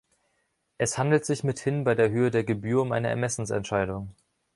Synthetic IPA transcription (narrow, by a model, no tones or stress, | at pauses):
ʔɛshandl̩tz̥ɪçmɪthɪnbaɪdeːɐɦøːədeːɐɡəbyːɐʊmʔa̰ɪnəɛ̰ɐmɛsn̩sɛ̰ntʃaɪdʊŋ